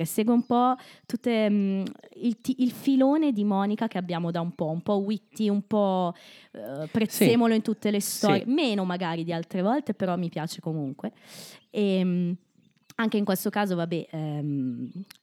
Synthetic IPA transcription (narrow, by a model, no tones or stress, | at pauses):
esːeːɡweumpɔt̪ut̪ːemilt̪iilfiloːned̪imɔːnikak̟eabːjaːmod̪aumpɔumpɔwit̪ːiumpɔ | pɾeseːmoloint̪ut̪ːelest̪ɔːɾijemeːnomaɡaːɾid̪ialt̪ɾevɔlt̪epeɾɔmːipjaːt͡ʃekomuŋkwe | em | aŋk̟eiŋkwest̪okaːzovabːɛɛm